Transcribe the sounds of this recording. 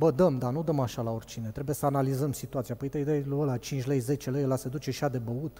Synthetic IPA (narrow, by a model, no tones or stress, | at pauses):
bəd̪əmd̪anud̪əmaʃalao̞rʲt͡ʃine̞t̪ɾebuje̞səanalizəmsit̪uat̪siapəjt̪ejd̪eluəlat͡ʃint͡ʃʲlejze̞t͡ʃe̞lejelase̞d̪ut͡ʃeʃiad̪e̞bəut̪